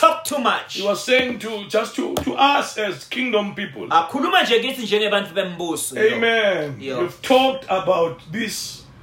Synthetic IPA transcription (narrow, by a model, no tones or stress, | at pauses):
tʰɔk̚tʰumat͡ʃhiwɔz̥sejĩŋtʰud͡ʒastʰutʰuʔasɛzkʰĩŋdɔ̃mpipɔ̰lakʰulumand͡ʒʱɛŋitʰind͡ʒʱɛŋɛɓantʼuɓem̩buːsuemɛnjuv̥tʰɔk̚tʰabawt̚ðis